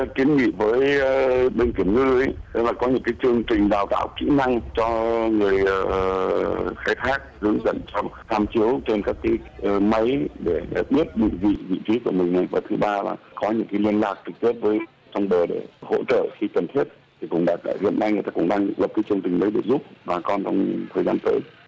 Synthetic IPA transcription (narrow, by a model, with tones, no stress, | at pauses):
ki˨˦ənŋḭ˧˨vəː˨˦jɓe˧nki˧˩əmŋɨ̰˧ʔə˨˦jə˨˧˦jlaː˨˩kɔ˨˦ɲɨ̰˧˥ŋkaː˨˦jt͡ɕɨ˧əŋt͡ɕï˨˩ŋ̟ɗaː˨˩wt̪a̰ː˧˨wkḭ˧˥na˧ŋt͡ɕɔ˧ŋɨ˨˩əj | xaː˧jt̪ʰaː˦˥k̚zɨ̰˨˧˦əŋzə̰˧˨nt͡ɕɔ˧t̪ʰaː˧mt͡ɕi˨˦əwt͡ɕe˧nkaː˦˥kːaː˨˦jʔma˨˦jɗe˧˩ɓi˦˥ət̚ɗḭ˧˨ŋvḭ˧˨vḭ˧˨t͡ɕi˨˦ku˧˩əmï˨˩ŋ̟na˨˩jvaː˨˩t̪ʰɨ˨˦ɓaː˧la̰ː˨˩kɔ˨˦ɲɨ̰˧˥ŋkaː˨˦jli˧ənlaː˨˩k̚t͡ɕɨ˨˩k̚t̪i˦˥p̚vəː˨˦j | t͡ɕɔ˧wŋ͡mɓəː˨˩ɗe˧˩ho̰˧˥t͡ɕə̰ː˧˨xi˧kə˨˩nt̪ʰi˦˥t̚ | t̪ʰi˨˩kʊ̰˧˩ŋ͡mɗa̰ː˨˩k̚a̰ː˧˩hḭ˧˨ənːa˧jŋɨ˨˩t̪aː˧kʊ̰˧˩ŋ͡mɗaː˧ŋlə˨˩p̚kːaː˨˦jt͡ɕɨ˧əŋt͡ɕï˨˩ŋ̟ɗə˨˦jɗe˧˩zu˦˥p̚ɓaː˨˩kɔ˧nt͡ɕɔ˧wŋ͡mt̪ʰəː˨˩zaː˧nt̪əː˨˦j